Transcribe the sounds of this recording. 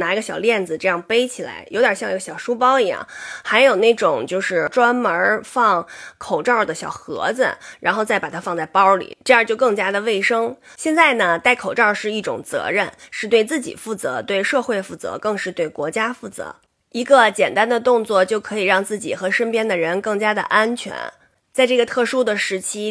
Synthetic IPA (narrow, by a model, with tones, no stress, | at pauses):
na˧˥i˧˥ɡə˧ɕjɑ˨˩ʊljɛ˥˩nd͡zɹ̩˩ʈ͡ʂɤ˥˧jɑ˥˩ŋpe˥ɪt͡ɕʰi˨˩la̰˧˥ɪjo˧˥ʊd̪jə˨˩ɕjɑ˥˧ŋi˧˥ɡə˧ɕjɑ˨˩ʊʂu˥p̬ɑ˥ʊi˧˥jɑ̰˥˩ŋxa˧˥ɪjo˨˩ʊna˥˩ʈ͡ʂʊ˨˩˦ŋt͡ɕjo˥˧ʊʂɻ̩˥˩ʈ͡ʂwa˥nmə˧˥fɑ˥˩ŋkʰo˨˩ʊʈ͡ʂɑ˥˩ʊd̪ə˩ɕjɑ̰˨˩ʊxɤ̰˧˥d͡z̩̰˧˨ɻa˧˥nxo˥˧ʊt͡sa˥˩ɪpa˨˩t̪ʰa˥fɑ˥˧ŋt͡sa˥˩ɪpɑ˥ʊlḭ˨˩˦ʈ͡ʂɤ˥˧˥t͡ɕjo˥˧ʊkɤ˥˩ŋt͡ɕja˥d̪ə˨ʋe˥˩ɪʂɤ˥ŋɕjɛ˥˧nt͡sa˥˩ɪnə˩t̪a˥˩ɪkʰo˨˩ʊʈ͡ʂɑ˥˧ʊʂɻ̩˥˧i˥˩ʈ͡ʂʊ̰˨˩ŋt͡sɤ̰˧˥ɻə˥˩nʂɻ̩˥˧t̪we˥˧ɪt͡sɹ̩˥˩t͡ɕḭ˨˩fu˥˩t͡sɤ̰˧˥t̪we˥˧ɪʂɤ˥˧xwe˥˧ɪfu˥˩t͡sɤ̰˧˥kɤ˥˧ŋʂɻ̩˥˧t̪we˥˩ɪkwɔ˧˥t͡ɕja˥fu˥˩t͡sɤ̰˧˥ | i˧˥ɡə˧t͡ɕjɛ˨˩nt̪a˥nd̪ə˨t̪ʊ˥˧ŋt͡swɔ˥˩t͡ɕjo˥˩ʊkʰɤ˧˥i˨˩ɻɑ˥˧ŋt͡sɹ̩˥˩t͡ɕḭ˨˩xɤ˧˥ʂə˥npjɛ˥nd̪ə˨ɻə˧˥nkɤ˥˩ŋt͡ɕja˥d̪ə̰˨ʔa˥nt͡ɕʰɥɛ̰˧˥n | t͡sa˥˧ɪʈ͡ʂɤ˥˩ɡə˩t̪ʰɤ˥˩ʂu˥d̪ə˨ʂɻ̩˧˥t͡ɕʰi˥